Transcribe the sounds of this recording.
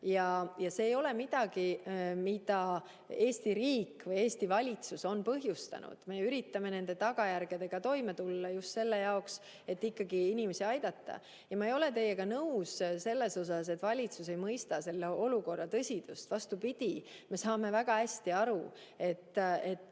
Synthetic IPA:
jɑjɑse̞ːjo̞le̞mid̪̥ɑɡimid̪̥ɑ | e̞ːst̪iɾiːkːvɤje̞ːst̪ivɑlʲit̪suso̞npɤɦjust̪ɑ̰nṵd̪̥me̞yɾit̪ːˑɑme̞ne̞nd̪̥e̞t̪ɑɡ̥ɑjærɡ̥e̞d̪e̞ɡ̥ɑt̪o̞jme̞t̪ulːɑjust̪se̞lːe̞jɑoks | e̞t̪ːikːɑɡiinime̞siɑjd̪̥ɑt̪ˑːɑ̰ | jɑmɑejo̞le̞t̪e̞je̞ɡ̥ɑnɤwsse̞lːe̞so̞s̬ɑs̬e̞t̪ːvɑlʲit̪suse̞jmɤjst̪ɑse̞lːeʔo̞luko̞rːɑt̪ɤsʲid̪̥ust̪vɑst̪upid̪̥ʲime̞sɑːme̞væɡ̥ɑhæsʲt̪iɑɾu | e̞t̪ˑːe̞t̪ːˑ

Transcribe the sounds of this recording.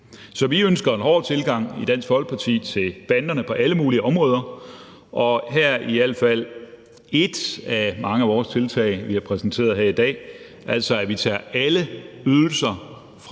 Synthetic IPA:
sɒ̽ʋiønsɡ̥ɐe̝nɦɒ̰ːd̥̚t͡sʰe̝lɡ̥ɑ̈ŋ̰id̥æn̰sɡ̥fɒ̽l̰ɡ̥̚pʰɑ̈t͡sʰḭːt͡sʰe̝lb̥ænd̥ɐnəpʰɒ̽ʔæləmuːliəɒ̽mʁɔ̽ːð̞ˠɐ | ʔɒ̽ɦæɐ̰iæl̰fæl̰ | e̝d̥æmɑ̈ŋəæʋɒːst͡sʰe̝lt͡sʰɛ̰ɪʋiæɐpʰʁɛsn̩t͡sʰe̝̰ːɐð̞ˠɦeɐ̰id̥ɛ̰ː | ʔæl̰sɒ̽æʋit͡sʰæ̰ːæləyðˠl̩sɐ | fʁ

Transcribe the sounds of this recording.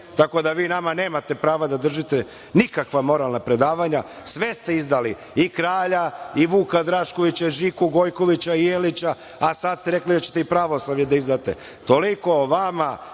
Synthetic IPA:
t̪ako̞d̪aʋiːnamane̞ːmat̪epɾaːʋad̪ad̪r̩ʒit̪e | nikakʋamo̞ɾalˠnapɾe̞d̪aːʋaɲa | sʋe̞st̪e̞izd̪ali | ikɾaːʎaiʋuːkad̪ɾaʃko̞ʋit͡ɕaiʒikuɡo̞jko̞ʋit͡ɕaijelit͡ɕa | asad̪st̪e̞ɾe̞klid̪at͡ɕe̥t̪eipɾaʋo̞slaʋɲed̪aizd̪aːt̪e̞̰ | t̪o̞liko̞ʋama

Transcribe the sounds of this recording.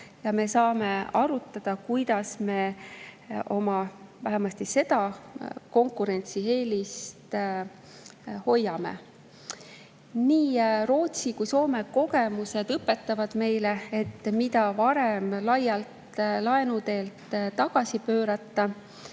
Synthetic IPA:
jɑme̞sɑːme̞ɑɾut̪ːˑɑd̪̥ɑkujd̪̥ɑsme̞ | ʔo̞mɑvæɦemɑst̪ise̞d̪̥ɑko̞ŋkːˑuɾe̞nʲt̪sihe̞ːlist̪ | ho̞jːɑme̞̰ | niːro̞ːt̪sikujso̞ːme̞ko̞ɡe̞muse̞d̪ɤpːe̞t̪ːˑɑvɑd̪̥me̞jle̞et̪ːmid̪ɑvɑɾe̞mlɑjːɑlt̪lɑenut̪e̞ːlt̪t̪ɑɡ̥ɑsipøːɾɑt̪ːˑɑ

